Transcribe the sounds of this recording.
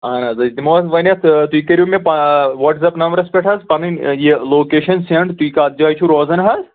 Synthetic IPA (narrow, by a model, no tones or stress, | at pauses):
ɦɐnazɐd̪imosʋɐnʲɐt̪ʰt̪uikɐɾʲumẽpaʋɐʈzɐpnɐmɐɾɐspʲeʈɦɐzpɐninjeloːkeːʃɐnseɳʈt̪uikaːt̪̚d͡ʒaːjt͡ʃʰuɾɔːzɐnɦɐz